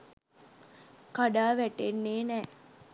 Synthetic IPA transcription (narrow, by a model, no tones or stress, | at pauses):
kaɖaːʋæʈenːeːnɛː